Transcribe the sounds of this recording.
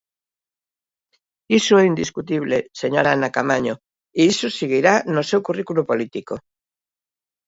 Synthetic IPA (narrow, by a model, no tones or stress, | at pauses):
isoɛind̪iskut̪iβleseɲoɾaanakamaɲo | iisoseɣiɾanosewkurikulupolit̪iko